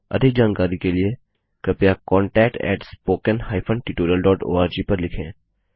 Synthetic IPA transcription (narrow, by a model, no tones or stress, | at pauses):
ɐ̰d̪ʱɪk̚d͡ʒaːnkaːɾikelie | kɐpjakɔ̃ːɳʈɛːk̚ʈɛ̰ːʈspoːkənhaːɪpʰə̃ɳʈɪʈoːɾijəlɖɔːʈo̰ːaːɾd͡ʒiːpɐɾlɪkʰḛ̃ː